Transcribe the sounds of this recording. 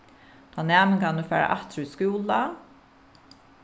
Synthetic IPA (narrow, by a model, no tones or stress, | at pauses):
t̪ʰaːnæːmɪnkʰanufɛːɹa̰ʔaht̪ɾiskuːla